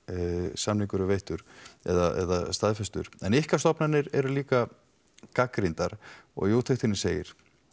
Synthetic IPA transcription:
samniŋkʏɾʏvejht̪ʏɾɛ̰ðaɛ̰ðast̪aðfɛst̪ʏ̰ɾ̥ɛnɪhkḁst̪ɔpnanːɪɾɛɾʏliːka | kakɾɪnt̪aɾ̥ɔ̰ɣjoːwt̪ʰext̪ʰɪnɪseːjɪ̰ɾ̥

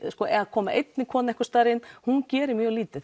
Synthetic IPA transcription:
skɔːʔɛakʰɔːmaʔejt̪nɪkʰɔːnɪɛhkʏst̪aːɾɪnhuncɛːɾɪmjœːɣliːt̪ɪθ

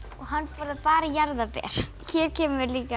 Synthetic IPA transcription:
ɔɣɦanːfaɾðpaːɾajaɾðapɛ̰ːɾ̥çɛɾ̥cʰɛːmʏɾliːka

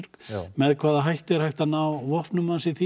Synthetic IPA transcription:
ɾkmɛðkʰvaːðaɦajht̪ɛɾ̥hajht̪anawvɔhpnʏmansɪθi

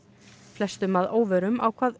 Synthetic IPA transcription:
flɛst̪ʏmaðoːwvœɾʏmawkʰvaːð

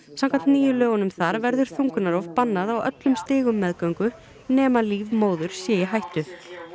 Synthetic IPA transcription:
sãm̥kʰant̪niːjʏlœːɣʏnʏmθaɾvɛɾðʏɾ̥θuŋkʏnaɾɔfpanːaðawœ̰t̪lʏmst̪ɪːɣʏmːɛðkœɥŋkʏ | nɛːmaliːvmoːwðʏɾ̥sjɛːjɪɦajht̪ʏ

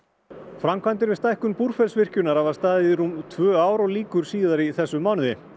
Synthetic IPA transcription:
fɾamkʰvant̪̬ɪɾvɪst̪ajhkʏnpuɾ̥fɛlsvɪr̥cʏnaɾ̥havaɾ̥st̪aːðɪðɾumt̪ʰvœːaːwɾɔɣliːkʏɾ̥siːðaɾiθɛsːʏmaːwnʏðɪ̰

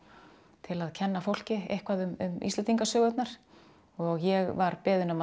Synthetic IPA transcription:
t̪ʰɪlaðcʰɛnːafowl̥cɪḛjhkʰvaðʏmʏmḭst̪ɛnt̪iŋkasœːɣʏt̪naɾ̥ | ɔɣjɛɣvaɾpɪːðʏnʏma

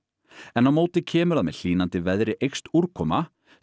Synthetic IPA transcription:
ɛnawmoːwt̪ɪcʰɛːmʏɾðaðmɛ̰ðl̥iːnant̪ɪvɛðɾɪʔejxst̪uɾ̥kʰɔːma

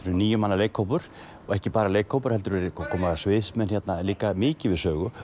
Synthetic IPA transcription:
fɾɪɾniːjʏmanːaleːjkʰːowpʏɾ̥ | ɔɣɛhcɪpaːɾaleːjkʰːoːwpʏɾ̥hɛt̪ʏɾvɛɾɪkʰɔːmaðasvɪːðsmɛnçɛt̪naliːkamɪːcɪvɪðsœːɣʏ

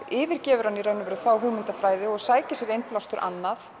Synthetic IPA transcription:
ɪːvɪɾ̥cɛːvʏɾ̥hanːiɾœɥnʏvɛːɾʏθawɦʏɣmɪnt̪afɾaːjðɪɔɣsaːjcɪsjɛɾejnplawst̪ʏɾʔa̰nːaθ

